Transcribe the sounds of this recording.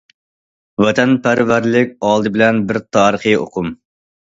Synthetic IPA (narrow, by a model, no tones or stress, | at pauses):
wɛt̪ʰɛnpʰæɾvæɾlɪkʲɑːlˠd̪ɨbɪlɛnbɪɾt̪ʰɑːɾəχɨjo̰qʰʊm